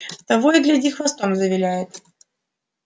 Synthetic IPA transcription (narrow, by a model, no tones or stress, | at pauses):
t̪ɐvojɪɡ̪lʲɛdʲixvɐst̪omzəvʲɪlʲæjɪt̪